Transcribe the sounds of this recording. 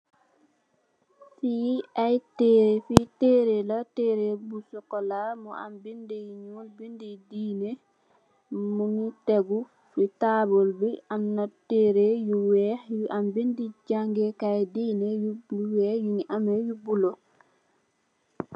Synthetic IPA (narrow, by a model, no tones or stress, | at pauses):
fiːajtɛɾɛfitɛɾɛlatɛːɾebusɔkɔlamɔa̰mbindijɲulbindɛdiːnɛ | munitɛɡu | fitaːbɔlbiannatɛɾejuwɛʔambindid͡ʒaŋɡɛkajdiːnɛjuuwɛjuɲʔamɛjubulɔ